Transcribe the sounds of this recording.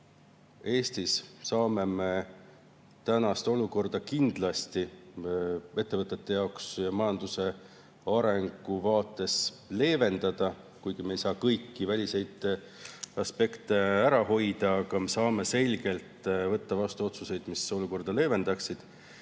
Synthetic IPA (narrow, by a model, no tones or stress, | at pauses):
e̞ːst̪issɑːme̞me̞ | t̪ænɑst̪o̞luko̞rd̪̥ɑkind̪̥lɑst̪i | e̞t̪ːevɤt̪ˑːe̞t̪ːe̞jɑksjɑmɑjɑnd̪̥use̞ | ɑɾe̞ŋɡ̥uvɑːt̪ːˑe̞s | le̞ːve̞nd̪̥ɑd̪̥ɑ | kujɡ̥imejsɑːkɤjkːivælʲise̞jd̪̥ | ɑspe̞kt̪e̞æɾɑho̞jd̪̥ɑːɡ̥ɑme̞sɑːme̞se̞lʲɡ̥e̞lt̪ˑvɤt̪ːɑvɑst̪uo̞t̪suse̞jd̪̥miso̞luko̞rd̪ɑle̞ːve̞nd̪̥ɑksid̪̥